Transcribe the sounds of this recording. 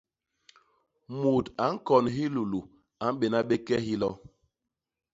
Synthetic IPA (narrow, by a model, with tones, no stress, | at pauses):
mu˨ta˨˦ŋ̩˦kɔ˨nɦi˦lu˨lu˨ | a˨˦m̩˦ɓe˨na˦ɓe˦kɛ˦ɦi˦lɔ˦